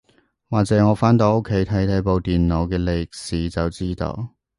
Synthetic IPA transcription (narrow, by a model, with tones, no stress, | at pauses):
waː˨k̚t͡sɛː˨˥ŋɔː˨˧faː˥nt̪o˨˧˥wo˥kʰːe˨˥jt̪ʰɐ˨˥jt̪ʰɐ˨˥jpo˨˧wt̪iː˨nlo˨˧wkɛː˧le˨˧jk̚siː˨˧t͡sɐ˨wt͡siː˥t̪o̰˧w